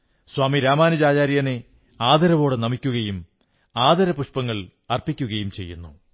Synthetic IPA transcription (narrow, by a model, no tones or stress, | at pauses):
swaːmiɾaːmaːnud͡ʑaːd͡ʑaːɾjɐne | aːd̪ɐɾɐʋo̞ːɽenɐmikʲːuɣɐjum | aːd̪ɐɾɐpuʂpɐŋːɐɭ | ɐrpikʲːuɣɐjumt͡ɕe̞jːṵnːu